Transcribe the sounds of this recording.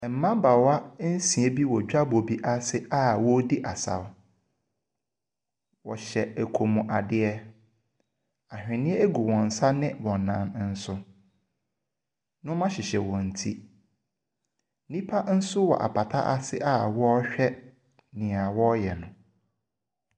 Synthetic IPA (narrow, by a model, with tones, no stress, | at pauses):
m̩˨˦mã˦ba˨wa˦n̩˦sĩ˨e˦bi˦wɔ˨d͡ʑᶣa˦bo˨bi˦ʔa˦sɪ˦ʔa˦wɔ˦di˦ʔa˨sa̰˨w | wɔ˨ɕɛ˨æ˨kʰo˨mũ˨ʔa˨dɪ˦ɛ˦ | a˨hᶣɪ̃˨nɪ̃˦ɛ˦e˦ɡu˨wɔ̃˨n̩˨sa˦nɪ̃˦wɔ̃˨nã˨˦nn̩˦sʊ˦ | nʊ̃˦mã˦ɕɪ˨ɕɛ˨wɔ̃˨n̩˨tʰi˦ | nĩ˦pʰa˦n̩˦sʊ˦wɔ̰˨ʔa̰˨pʰa˨tʰa̰˦ʔa˨sɪ˦ʔa˦wɔ˦ɕᶣɛ˦ | nɪ̃˨a˨wɔ˦jɛ˨nʊ̃˨